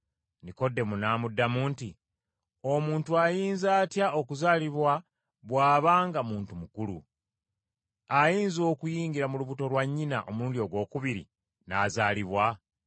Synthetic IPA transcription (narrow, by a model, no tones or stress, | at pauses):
niko̞dːe̞munaːmudːamuːnti | o̞muːntuajiːnzaːtjao̞kuzaːliβwa | βwaːβaːŋɡamuːntumukulṵ | ajiːnzo̞ːkujiːɲɡiɾamuluβuto̞lwaɲːinaʔo̞muuːndio̞ɡwo̞ːkuβiɾḭ | naːzaːliβwa